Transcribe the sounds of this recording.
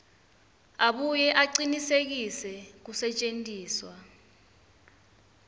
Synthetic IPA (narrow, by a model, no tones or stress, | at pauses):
aɓujɛʔaǀinisek̬isɛk̬usɛt͡ʃʼentʼiːswa